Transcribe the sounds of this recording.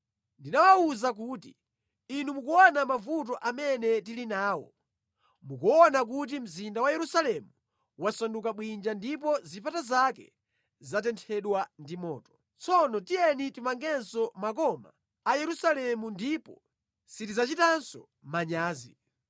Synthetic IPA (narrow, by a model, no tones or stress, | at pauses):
ndinawauzak̬uːti | inumukuɔnamavut̬ɔʔamɛnɛtilinaːwɔ̰ | mukuɔnak̬ut̬im̩zindawajɛɾusalɛmu | wasanduk̬aɓwind͡ʒandipɔzipʰatazakɛ̰ | zat̬ɛntʰɛɗwandimɔ̰ːtɔ̥ | t͡sʰɔnɔtijɛnitimaŋɡɛnsɔmak̬ɔma̰ː | jɛɾusalɛmundipɔ | sitizat͡ʃitansɔ | maɲaːzḭ